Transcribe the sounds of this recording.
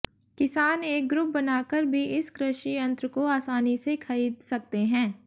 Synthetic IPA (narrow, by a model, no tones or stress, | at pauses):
kɪsaːneːk̚ɡɾʊp̚bɐnaːkəɾbʱiʔɪskɾɪʃijɐ̃nt̪ɾkoaːsaːnisekʰɐɾiːd̪sɐk̚t̪eɦɛ̃ː